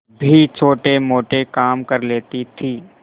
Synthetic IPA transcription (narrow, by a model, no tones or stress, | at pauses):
bʱit͡ʃʰoːʈemoːʈekaːmkɐɾleːt̪it̪ʰiː